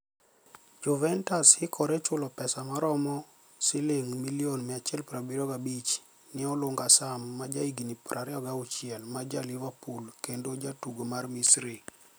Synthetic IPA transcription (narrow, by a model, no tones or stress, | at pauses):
d͡ʒɔvɛntashɪkʰɔɾɛt͡ʃʊlɔpɛsamaɾɔmɔ | sɪlɪŋmilionmɛat͡ʃɛlpɾabiɾɔɡabit͡ʃ | nɪɔlʊŋɡasamːad͡ʒaiɡinipɾʔaɾɛɔɡaut͡ʃɪɛlmad͡ʒalivapulkendod͡ʒatuɡomarmisɾi